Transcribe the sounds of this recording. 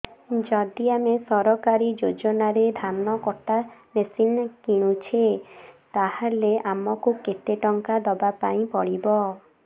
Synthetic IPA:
d͡ʒɔd̪iamesɔɾɔkaɾid͡ʒod͡ʒɔnaɾed̪ʱanːɔkɔʈamesinkiɽ̃ut͡ʃʰet̪ahaleʔamɔkuket̪eʈɔŋkad̪ɔbapaĩpɔɽibɔ

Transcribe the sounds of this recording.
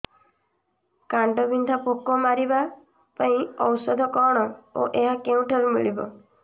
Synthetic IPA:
kaɳʈɔbind̪ʱapokɔmaɾiba | paĩɔwsɔd̪ʱɔkɔɽ̃ɔo̰ʔeɦakeũʈʰaɾumḭɭibɔ

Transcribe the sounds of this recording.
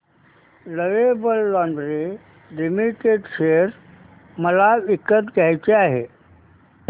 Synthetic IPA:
ləʋebəlːɔ̃ɳɖɾe | limiʈeɖɕeɾ | məlaʋikət̪ɡajt͡ɕeaɦe

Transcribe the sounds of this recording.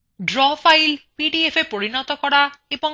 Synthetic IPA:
ɖɹɔpʰajlpiɖiepʰepoɹinɔt̪ɔkɔɾaebɔ

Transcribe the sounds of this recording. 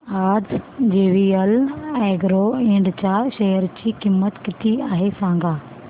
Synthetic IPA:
aːd͡zd͡ʑeːʋiəlɛ̃ːɡɾoẽːɳɖt͡ɕaːʃeːəɾt͡ɕiːkɪmːət̪kɪt̪iaːɦesãːŋɡaː

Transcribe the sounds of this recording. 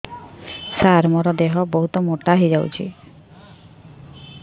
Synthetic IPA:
saɾmɔɾɔd̪eɦɔbɔɦut̪ɔmoʈaɦid͡ʒawt͡ʃʰḭ

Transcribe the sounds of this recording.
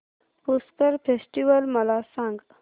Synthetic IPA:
puskəɾpʰesʈiʋəlmɐlasãŋɡ

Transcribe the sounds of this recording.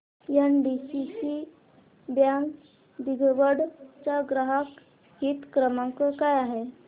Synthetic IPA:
janɖisisi | bjãŋɡ | d̪iɡʋəɽt͡ɕaɡɾaɦak | ɦit̪kɾəmãkəkajaɦe

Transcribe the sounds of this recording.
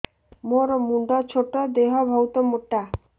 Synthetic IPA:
moɾmuɳɖɔt͡ɕʰoʈːɔd̪eɦɔbʱɔwt̪ɔmoʈːa

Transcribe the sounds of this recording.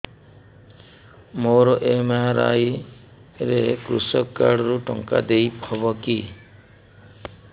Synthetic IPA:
moɾɔʔemaɾa̰j | ɾekɾusɔkːaɽɔɾuʈɔŋka̰d̪ejpɔbɔki

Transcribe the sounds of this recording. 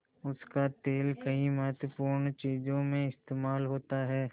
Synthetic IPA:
ʊskat̪eːlkɐimɐɦt̪əpuːɾɳt͡ʃiːd͡ʒõmẽɪst̪eːmaːlɦoːt̪aɦɛː

